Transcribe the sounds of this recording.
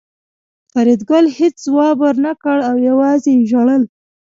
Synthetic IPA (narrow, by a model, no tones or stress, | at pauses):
taɾid̪ɡalhet͡szwɑbəɾnakəɽawjawɑzeʒaɽəl